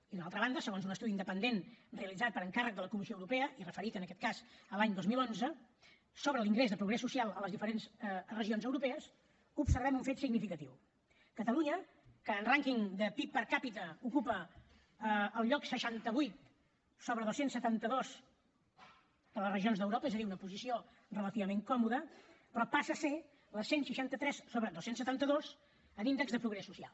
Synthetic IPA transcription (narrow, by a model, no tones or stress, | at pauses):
iðunalˠt̪ɾəβand̪əsəɣonzunəst̪uðiːnd̪əpənd̪enreəlid͡zat̪̚pəɾəŋkarək̚d̪ələkumisioəwɾupɛəʔirəfəɾit̪ənəkɛt̪̚kazəlaɲd̪ozmilˠonzə | soβɾəliŋɡɾezðəpɾuɣɾɛsːusialˠələzðifəɾenzrəʒionzəwɾupɛəs | upsəɾβɛmuɱfet̪siɡnifikət̪iw | kət̪əluɲə | kəːnraŋkiŋd̪əpipːəɾkapit̪əukupə | lˠʎɔksəʃant̪əβujt̪ | soβɾəðosensət̪ant̪əðoz | d̪ələsrəʒionzðəwɾopəɛzəðiunəpuzisio | rələt̪iβəmeŋkɔmuðəpɾɔpasəse | ləsenʃiʃant̪ət̪ɾɛssoβɾəðosensət̪ant̪əðoz | ənind̪ɛɡzðəpɾuɣɾɛsːusia̰lˠ